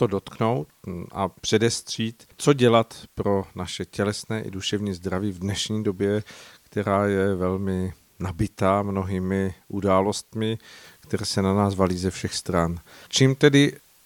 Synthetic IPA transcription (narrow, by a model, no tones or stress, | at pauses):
t̪o̞do̞t̪kno̞wt̪ʔa̰pr̥ɛdɛst̪r̝̥iːt̪t͡so̞ɟɛlat̪pɾo̞naʃɛcɛlɛsnɛːʔɪ̰duʃɛvɲiːzd̪ɾaviːvdnɛʃɲiːdo̞bjɛkt̪ɛɾaːjɛvɛlmɪ | nabɪt̪aːmno̞ɦiːmɪʔudaːlo̞st̪mɪkt̪ɛɾɛːsɛnanaːzvaliːzɛfʃɛxst̪ɾant͡ʃiːmt̪ɛdɪ